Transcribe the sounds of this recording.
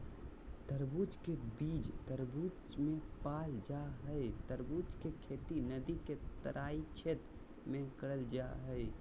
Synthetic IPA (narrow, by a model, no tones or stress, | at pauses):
t̪əɾbut͡ʃkebid͡ʒt̪əɾbut͡ʃmepald͡ʒaɦəɪt̪əɾbut͡ʃkekʰet̪inəd̪iket̪əɾʔait͡ʃʰet̪ | mẽkəɽəld͡ʒa̰ɦəɪ